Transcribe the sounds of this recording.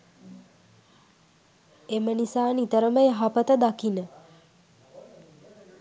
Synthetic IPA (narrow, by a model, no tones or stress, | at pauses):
emənisaːnit̪əɾəməjəɦapət̪əd̪akinə